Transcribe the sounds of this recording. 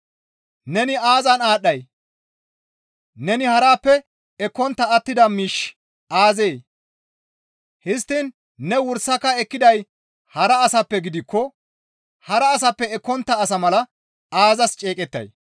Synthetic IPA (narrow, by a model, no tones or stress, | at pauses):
nɛnɪaːzɐnaːɗːɐj | nɛnɪhɐɾaːpːɛ | ɛkːɔnt̪ːɐːt̪ːɪd̪ɐmiːʃ | ʔaːzeː | hɪst̪ːɪn | nɛwʊɾsɐkːɐɛkːɪd̪ɐj | hɐɾɐːsɐpːɛɡɪd̪ɪkːɔ | hɐɾɐːs̬ɐpːɛɛkːɔnt̪ːɐːsɐmɐlɐ | aːzɐst͡ʃʼe̞ːkʼɛt̪ːɐ̰j